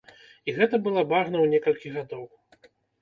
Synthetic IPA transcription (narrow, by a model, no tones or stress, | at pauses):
iɣɛt̪ɐbɨlˠabaʐnɐwnʲɛkɐlʲkʲiɣad̪ɔw